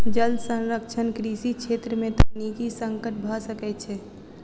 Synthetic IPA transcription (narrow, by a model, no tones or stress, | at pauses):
d͡ʒəld̪sə̃nɾəkt͡ʃʰənkɾisikʰet̪ɾəmẽt̪anikisə̃ŋkəʈ̚bʱasəkɛt͡ʃʰɛ